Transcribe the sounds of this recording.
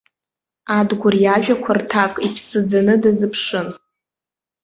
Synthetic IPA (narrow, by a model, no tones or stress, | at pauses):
adɡʷʊrjaʒᶣakʷʰartʰakʼipʰsɨd͡zanɨdazɨpʰʂɨn